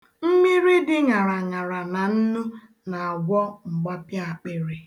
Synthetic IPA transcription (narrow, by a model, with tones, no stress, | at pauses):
m̩˦mi˦ɾi˦dɪ˦ŋa˨ɾa˨ŋa˨ɾa˨na˨n̩˦nu˦ | na˨a˨ɡʷɔ˦ŋ͡m̩˨ɡ͡ba˦pja˦a˨k͡pe˦ɾi˨